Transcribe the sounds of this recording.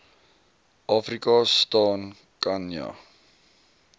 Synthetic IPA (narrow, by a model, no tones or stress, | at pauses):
ʔɑːfrikɑstɑːn | kɐnjɐ̰